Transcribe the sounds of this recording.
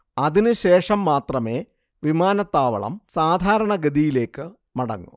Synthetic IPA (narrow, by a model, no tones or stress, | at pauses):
ɐðinɨɕe̞ːʂɐmːaːt̪rɐme̞ː | ʋimaːnɐt̪ːaːʋɐ̰ɭɐ̰msaːd̪ʱaːɾɐɳɐɡɐðijile̞ːkːɨ | mɐɽɐ̰ŋːṵ